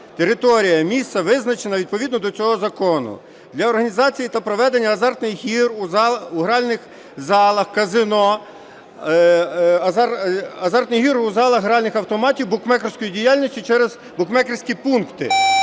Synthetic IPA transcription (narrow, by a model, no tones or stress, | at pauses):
t̪eɾɪt̪ɔɾʲijɐmʲist̪sɐʋɪznɐt͡ʃenɐʋʲid̪̚pɔʋʲid̪nɔd̪ɔt͡sʲɔɦɔzɐkɔnʊ̰ | d̪lʲɐɔrɦɐnʲizɑt͡sʲijit̪ɐpɾɔʋɛd̪enʲːɐːzɑrt̪nɪjɦiruzɑuɦɾɑlʲnɪx | zɑlˠɐxkɐzɪnɔ | ɐzɑrt̪nɪjɦiɾuzɑlˠɐxɦɾɑlʲnɪxɐwt̪ɔmɑtʲiwbʊkmɛkɾɔsʲkɔjidʲijɑlʲnʲisʲtʲit͡ʃɛɾez | bʊkmɛkɪɾsʲkʲipunkt̪ɪ̰